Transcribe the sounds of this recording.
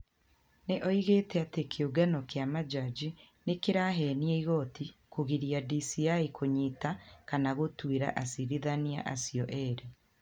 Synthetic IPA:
neʔɔiɣetɛatekʰeuɡanɔkeamad͡ʒad͡ʒi | nekeɾaɦɛnieiɣɔtʰikoɣiɾiadisiaikʰoɲitakanaɣotweɾa̰ʔasiɾiðania̰ʔa̰siɔʔɛɾe

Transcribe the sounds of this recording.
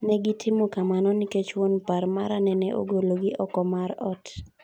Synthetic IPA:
nɛɡɪtʰɪmɔkamanɔnɪket͡ʃwonparmaɾanɛnɛʔo̰ɡoloɡɪʔɔkɔmaɾɔt

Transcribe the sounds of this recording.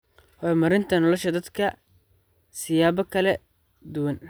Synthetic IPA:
hɔmɐɾɪnt̪ʰɐnɔlɐʃɐd̪ɐd̪kʰɐ | sɪjaːβɐkʰɐlɛ | d̪ʊwɐn

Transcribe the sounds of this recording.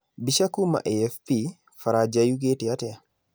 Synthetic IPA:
biʃakuma̰ʔeɛfpi | faɾad͡ʒajuk̬etiatɛa

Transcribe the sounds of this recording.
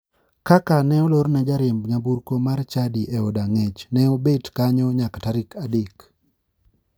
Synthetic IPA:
kakanɛɔloɾnɛd͡ʒaɾembɲabuɾkomart͡ʃadiʔɛodaŋet͡ʃnɛobetkaɲɔɲakataɾɪkʰadek

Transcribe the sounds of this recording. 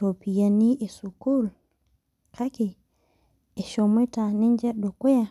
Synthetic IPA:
topijaniʔɛsukul | kʰaki | ɛʃomɔtanind͡ʒɛɗɔkɔja

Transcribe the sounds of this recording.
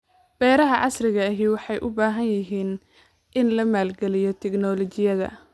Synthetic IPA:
b̥ɛːɾɐɦɐʕɑ̰srɪɣɐːɦiwɑħɑjʔʊbaːɦɐnjɪɦiːn | ʔɪnlɐmaːlɡɛlɪjɔt̪ʰɛɡnɔːlɔt͡ʃɪjɐðɐ̰

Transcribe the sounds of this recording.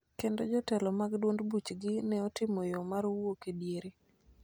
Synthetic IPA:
kendod͡ʒɔtɛlɔmaɡdwondbut͡ʃɡɪnɛɔtɪmɔjɔmaɾwokedjeɾe

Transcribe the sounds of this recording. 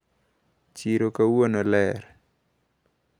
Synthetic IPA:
t͡ʃiɾokawonolɛɾ

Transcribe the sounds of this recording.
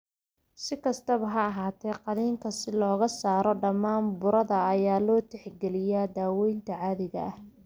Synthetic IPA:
sɪkʰɐst̪ʰɐβɐɦɐɐɦaːt̪ʰɛjqɑðiːŋkʰɐsɪlɔːɣɐsaːɾɔɖɐmːaːnbʊɾɐðɐːjaːlɔːt̪ʰɛħɡɛlɪjaːd̪aːwɛjnt̪ʰɐʕaːðɪɣɐ̰ʔɐh

